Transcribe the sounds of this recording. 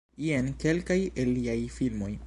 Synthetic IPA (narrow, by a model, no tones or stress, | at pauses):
ienke̞lkajelːiajfilmo̞j